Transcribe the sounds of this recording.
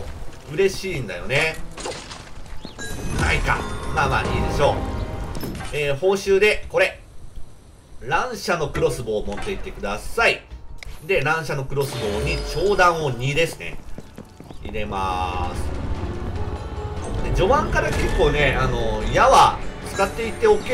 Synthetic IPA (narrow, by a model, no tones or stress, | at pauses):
ɯ̟ɾe̞ɕĩːnd̪ajo̞̰ne | na̰ika̰mamaɲiːd̪e̞ɕo̞ː | eːho̞ːɕɨːd̪e̞ko̞ɾe̞ | ɾãɰ̃ɕano̞kɯ̟ɾo̞sɨbo̞ːmo̞t̪ːe̞it̪ːe̞kɯ̟d̪asaid̪e̞ɾãɰ̃ɕano̞kɯ̟ɾo̞sɨbo̞ːɲ̟it͡ɕo̞ːd̪ãɰ̃o̞ɲ̟iːd̪e̞sɨne̞̰ | iɾe̞ma̰sɨ̥ | kod̪ed͡ʑo̞βãŋkaɾake̞kːo̞ːne̞ano̞jaβat͡sɨ̥kat̪ːe̞it̪ːe̞o̞ke